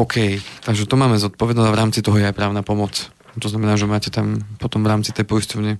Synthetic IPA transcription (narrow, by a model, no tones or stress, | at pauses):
ɔːkʰɛjt̪aɡʒɛt̪ɔmaːmɛzɔt̪̚pɔʋɛd̪nɔaʋɾaːmt͡sit̪ɔɦɔjɛajpɾaːʊnaːpɔmɔt͡s | t̪ɔznamɛnaːʒɛmaːcɛt̪ampɔt̪ɔmvɾaːmt͡sit̪ɛjpɔjstɔvɲɛ